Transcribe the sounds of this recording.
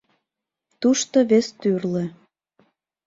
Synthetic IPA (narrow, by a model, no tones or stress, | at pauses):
t̪uʃt̪oβest̪yrlĕ